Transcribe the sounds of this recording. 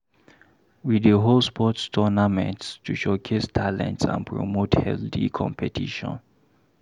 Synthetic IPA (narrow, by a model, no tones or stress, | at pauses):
widəɦolspʰɔtstʰɔnamɛ̰̃ntstʰuʃɔkʰestʰalɛ̰̃ntsã̰npʰɹɔ̰mothɛ̰lθḭkʰɔ̰̃mpʰɛtʰiʃɔ̰̃n